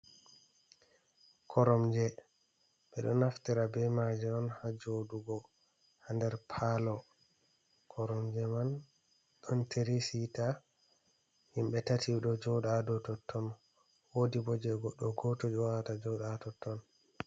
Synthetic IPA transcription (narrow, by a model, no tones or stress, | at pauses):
kʰɔɾɔmd͡ʒɛ | ɓɛɗɔnaftiɾabɛmad͡ʒɛɔnhad͡ʒoduɡɔ | handɛɾpʰalɔ | kʰɔɾɔmd͡ʒɛman | ɗɔntʰeɾisita | himbɛtatʰiɗɔd͡ʒɔɗadɔtɔtʰːɔn | wodibɔd͡ʒɛɡɔɗɔɡɔtod͡ʒɔwatad͡ʒɔɗatɔtːɔn